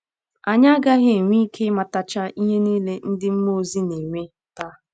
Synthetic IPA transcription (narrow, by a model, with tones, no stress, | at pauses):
a˨ɲa˦a˦ɡa˦ɣe˨ŋʷi˦kʰe˦ma˨ta˨t͡ʃa˦i˦ɦe˦niː˦le˦n̩˦dɪ˦m̩˦mo˦zi˦ne˨ŋʷe˦ta˦